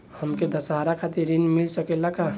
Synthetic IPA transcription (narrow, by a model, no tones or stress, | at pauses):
həmked̪əsɦaɾakʰat̪iɾːinmilsəkelaka